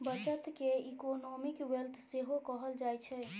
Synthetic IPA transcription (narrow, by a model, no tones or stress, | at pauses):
bət͡ʃət̪keikonomikwelt̪ʰseɦokəɦəld͡ʒajt͡ʃʰɛ